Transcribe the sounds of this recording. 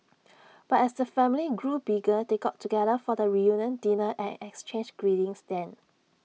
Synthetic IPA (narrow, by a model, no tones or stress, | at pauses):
b̥atɛsdəfɛ̃mliɡɹubiɡədeɡɔtʰːuɡɛdəfɔdəɹijũnjə̃ndinəʔɛ̰̃nɛkst͡ʃẽnd͡ʒɡ̥ɹidĩŋsdɛ̃n